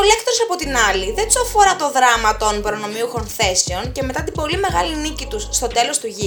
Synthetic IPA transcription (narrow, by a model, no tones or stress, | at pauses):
olekt̪ɾosɐpo̞t̪inɐliðed̪usɐfo̞ɾɐt̪o̞ðɾɐmɐt̪o̞nbɾo̞no̞miuxonθe̞seo̞nce̞me̞t̪ɐt̪ibo̞lime̞ɣɐlinicit̪usːt̪o̞d̪e̞lo̞st̪uʝi